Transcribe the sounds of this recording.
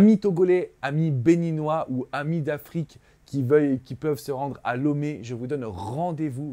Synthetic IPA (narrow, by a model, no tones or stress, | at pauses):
mit̪oɡɔlɛamibeninwaʔuamid̪afχikʲː | ivœjekʲipœvsəʁɑ̃d̪ʁa̰lɔmeʒəvud̪ɔnʁɑ̃d̪evu